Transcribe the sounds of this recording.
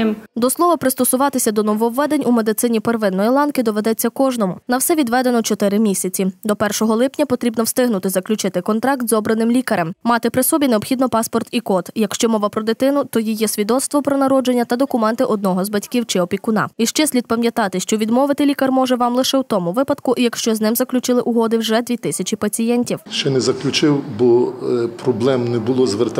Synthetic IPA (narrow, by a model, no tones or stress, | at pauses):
d̪ɔslˠɔʋɐpɾɪst̪ɔsʊʋɑt̪ɪsʲɐd̪ɔnɔʋɔʋːɛd̪enʲʔumed̪ɪt̪sɪnʲiperʋɪnːɔjilˠɑnkɪd̪ɔʋed̪ɛt͡sʲːɐkɔʒnɔmʊnɐwsɛʋʲid̪ʋɛd̪enɔt͡ʃɔt̪ɪɾɪmʲisʲɐt͡sʲid̪ɔpɛrʃɔɦɔlˠɪpnʲɐpɔt̪ɾʲibnɔwst̪ɪɦnʊt̪ɪzɐklʲʊt͡ʃɪt̪ɪkɔnt̪ɾɑk̚t̪zɔbɾɐnɪmlʲikɐɾɛmmɑt̪ɪpɾɪsɔbʲineɔbxʲid̪nɔpɑspɔrt̪ikɔt̪jɐkʃt͡ʃɔmɔʋɐpɾɔd̪ɪt̪ɪnʊt̪ɔjijɛsʲʋʲid̪ɔt̪st̪ʋɔpɾɔnɐɾɔd͡ʒenʲːɐt̪ɐd̪ɔkʊmɛnt̪ɪʔɔd̪̚nɔɦɔzbɐtʲkiwt͡ʃɪɔpʲikʊnɑ̰iʃt͡ʃɛsʲlʲid̪̚pɐmʲjɐt̪ɑt̪ɪʃt͡ʃɔʋʲid̪mɔʋɪt̪ɪlʲikɐrmɔʒɛʋɑmlˠɪʃɛwt̪ɔmʊʋɪpɐd̪kʊʔjɐkʃt͡ʃɔznɪmzɐklʲʊt͡ʃɪlˠɪʔʊɦɔd̪ɪwʒɛd̪ʲʋʲit̪ɪsʲɐt͡ʃʲipɐt͡sʲijɛnʲtʲiwʃt͡ʃɛnɛzɐklʲʊt͡ʃɪwbɔpɾɔblˠɛmnɛbʊlˠɔzʋert̪